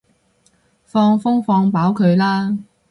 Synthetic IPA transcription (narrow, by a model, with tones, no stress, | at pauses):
fɔː˧ŋfʊ˥ŋfɔː˧ŋpaː˨˥wkʰɵ˨˧ɥlaː˥